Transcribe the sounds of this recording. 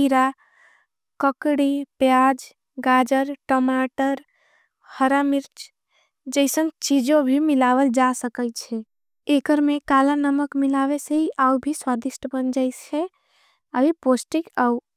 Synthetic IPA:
iɾa | kəkɽipjad͡ʒ | ɡad͡ʒəɾʈomaʈəɾ | həɾamiɾt͡ʃ | d͡ʒəɪsənt͡ʃid͡ʒobʱimilaʋəld͡ʒasəkət͡ʃʰɛ | ekəɾmekalanəməkmilaʋeseɦiʔaubʱiswad̪iʃʈbənd͡ʒajt͡ʃʰɛ | əbiposʈikau

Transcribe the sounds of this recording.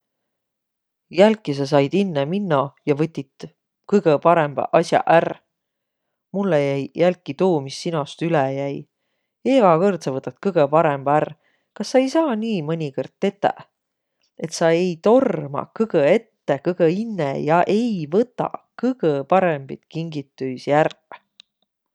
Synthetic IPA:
jælkːˑis̬ɑs̬ɑjd̪̥inːeminːɑjɑvɤt̪ʲːit̪ | kɤjɡ̥epɑɾemb̥ɑ̰ʔɑsjɑ̰ʔær | mulːejæjjælkːˑit̪uːmisːinost̪ylɛjæj | eɡ̥ɑkort̪sɑvɤt̪ːˑɑt̪kɤɡ̥epɑɾemb̥ɑær | kɑsːɑe̞jsɑːniːmɤnʲikord̪̥̚t̪e̞t̪ːˑæ̰ | e̞t̪sɑe̞jt̪o̞rmɑ̰kɯɡ̥əe̞t̪ːekɯɡ̥einːejɑʔe̞jvɤt̪ːˑɑ̰kɯɡ̥epɑɾemb̥it̪̚kiŋɡ̥it̪ːyjsjær

